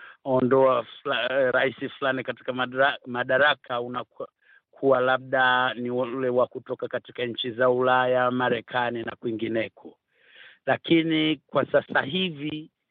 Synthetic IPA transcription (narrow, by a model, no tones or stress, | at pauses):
ɔndɔaflaɾaisiflanikati̥kamaɗaɾakʰauna | kʰuwalaɓ̚ɗanilɛwakutɔkakatikaɲ̩t͡ʃizaulajamaɾɛkʰanina̰kwiŋɡinɛkʰɔ | lakinikwasasaɦivi